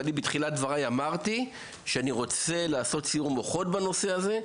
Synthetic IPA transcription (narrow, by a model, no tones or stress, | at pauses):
libitχilat̚dvaʁajamaʁti | ʃeaniʁo̞t͡se̞laːso̞tsijuʁmo̞χo̞tbano̞se̞aze̞